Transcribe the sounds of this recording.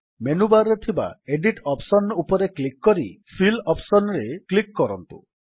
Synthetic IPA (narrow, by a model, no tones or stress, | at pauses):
menubaɾːet̪ʰiba̰eɖiʈɔpsɔnupɔɾeklikːɔɾipʰilɔpsɔnɾeklikːɔɾɔnt̪ṵ